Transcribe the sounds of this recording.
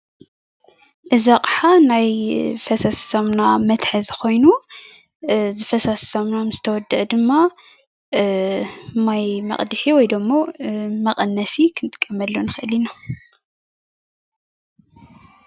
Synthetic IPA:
ʔɨzaqʼħanajfɐsassomnamɐt̪ħɨzxo̞jnu | zɨfɐsassomnamɨz̥ɨt̪ʰɐwɔd̪ɨʔd̪ɨmːa | majmɐ̰χʼd̪ɨħiwɔjd̪omːomɐqʼɐnːɐsikʰɨnt̪ʰɨ̥kʼːɐmːɐlːonɨxɨʔɨlina

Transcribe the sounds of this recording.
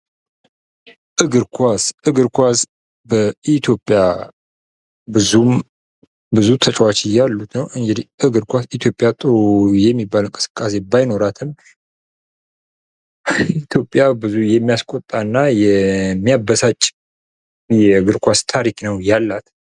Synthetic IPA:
ʔɨɡɨɾkʰʷasʔɨɡɨɾkʰʷas | bəit̪ʰjo̞pʼja | bɨzum | bɨzut̪ʰət͡ʃʼwat͡ʃɪjalːut̪nəwʔɨŋɡɨd̪iʔɨɡɨɾkʷasit̪ʰjo̞pʼjat̪ʼɨɾujɛmːibːalɨŋkʼɨ̥sɨ̥kʼːase̞bajno̞ɾat̪ʰɨm | it̪ʰjo̞pʼjabɨzujɛmːijaskʼot̪ʼːanːajɛmːijabəsat͡ʃʼː | jɛɨɡɨɾkʷast̪ʰaɾiknəwjalːat̪

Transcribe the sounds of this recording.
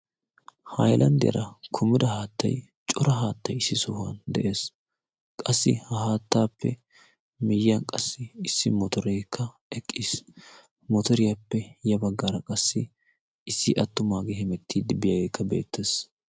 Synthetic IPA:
hɐjlʔɐ̰nd̪ɪ̰jɐ̰ɾʔɐkʰʊmɪd̪ɐhaːt̪ːɐ̰j | t͡ʃʼɔɾɐɦaːt̪ːɐjɪsːɪsɔhʊɐ̰nd̪ɛʔe̞ːs | kʼɐsːɪ̰hɐhaːt̪ːaːpːɛ̰ | mɪjɐnkʼɐsːɪɪsːɪmɔt̪ɔɾeːkʰːɐ | ɛkʼːiːs | mɔt̪ɔɾɪjɐpːɛjɐbɐɡːɐɾɐkʼɐsːɪ | ɪsːɪʔɐt̪ːʊmaːɡehɛmɛt̪ʰːiːd̪ɪbɪjɐɡeːkːɐbe̞̰ːt̪ʰːeːs

